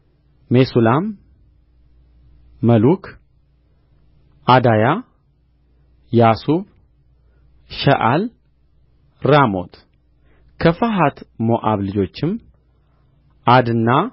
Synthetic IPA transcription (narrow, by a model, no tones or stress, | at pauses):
mesulam | əlukʰ | ʔad̪aja | jasuβ | ʃɐʔal | ɾamo̞̰t̪ʰ | kʰəfaɦat̪moʔaβlɨd͡ʒo̞t͡ʃːɪm | ad̪ɨnːa